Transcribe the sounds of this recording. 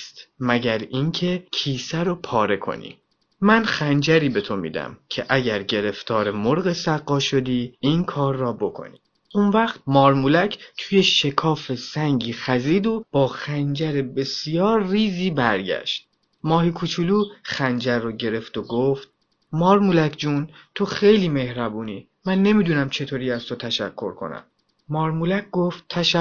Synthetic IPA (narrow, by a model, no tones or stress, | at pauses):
st̪mæɟæɾincʰe̞cʰiːsæɾopʰɒːɾe̞kʰo̞̰nḭː | mænxænd͡ʒæɾiːbe̞t̪ʰo̞mḭːd̪æ̰mcʰḛʔæɟæɾɟe̞ɾe̞ft̪ʰɒːɾemoɾɣesæɣːɒːʃo̞d̪iːinkʰɒːɾːɒːbo̞kʰo̞̰niː | ʔunvæχt̪̚mɒːɾmulæcʰt̪ʰujeʃe̞kʰɒːfe̞sæŋɟiːxæziːd̪ob̥ɒːxænd͡ʒæɾebe̞sijɒːɾːiːziːbæɾɟæ̰ʃt̪̚ | mɒːɦikʰut͡ʃʰuluːxænd͡ʒæɾːɔːɟe̞ɾe̞ft̪oɡoft̪̚ | mɒːɾmulæcʰd͡ʒuːnt̪ʰo̞xe̞jliːme̞hɾæbuːniː | mænːe̞miːd̪uːnæmt͡ʃʰe̞t̪ʰoːɾiːæz̥t̪ʰo̞t̪ʰæʃæ̰kʰːo̞̰ɾkʰo̞̰næ̰m | mɒːɾmulæc̚ɡoft̪ʰːæʃæ